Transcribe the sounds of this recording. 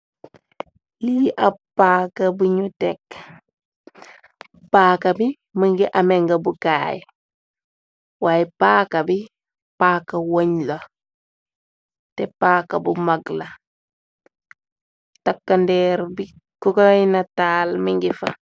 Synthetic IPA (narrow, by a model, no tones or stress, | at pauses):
liiʔɐpaːkɐbuɲutɛk | paːkɐbi | miŋɡiʔameŋɡɐbukaːj̰ | waːjɛpaːkɐbi | paːkːɐwoɲlo | tɛpaːkɐbumaɡlɐ | takːɐndɛɾbi | kukojnɐtaːlmiŋɡifɐ